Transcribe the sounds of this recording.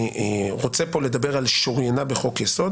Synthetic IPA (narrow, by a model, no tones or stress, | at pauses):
ʁot͡sepo̞le̞d̪abe̞ʁalʃoʁjenabeχo̞kjeso̞d̪